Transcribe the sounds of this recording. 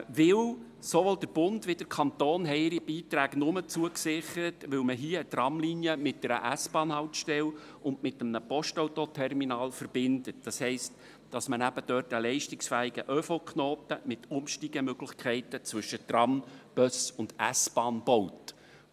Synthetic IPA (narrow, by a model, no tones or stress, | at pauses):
ʋɪw | soʋoldəɾb̥ʊndʋɪd̥əɾkʰɑnt̪oːnɦɛɪɪɾib̥iːt̪ɾæːɡnʊmət͡suəksɪχəɾətʋɪlməɦiəət̪rɑmliːnjəmɪt̚dɛɾə̰ʔæsb̥ɑːnhɑʊtʃtɛl | ʔʊndmɪt̪əmnəpɔʃtɑwtotʰɛrminɑːlfərb̥ɪndət̚d̥ɑshɛɪst | d̥ɑsmənæb̥əd̥œːtəlɛɪʃtɪksfæːiɡəʔœfokχnoːt̪əmɪtʊmʃtiɡ̥əmøɡ̥lɪχkʰɛɪtət͡sʋʏʃətrɑmb̥œsʊnd̥æsb̥ɑːnb̥ɔwt